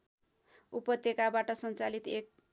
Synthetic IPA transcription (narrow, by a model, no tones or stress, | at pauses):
upʌt̪ekabaʈʌsʌnt͡salit̪ek̚